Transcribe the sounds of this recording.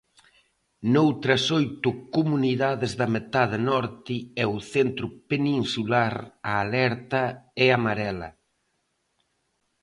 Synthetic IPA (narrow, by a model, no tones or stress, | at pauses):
nowt̪ɾɐsojt̪ʊkumuniðaðɪzðɐmet̪aðenɔɾt̪ɪɛʊθent̪ɾʊpeninsulaɾaːlɛɾt̪ɐɪamaɾɛlɐ̰